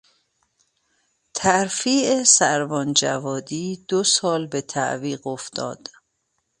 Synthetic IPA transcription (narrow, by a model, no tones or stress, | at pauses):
t̪ʰæɾfiːʔesæɾvɒːnd͡ʒævɒːd̪iːd̪̥osɒːlbe̞t̪ʰæ̰ʔviːɢoft̪ʰɒ̰ːd̪̥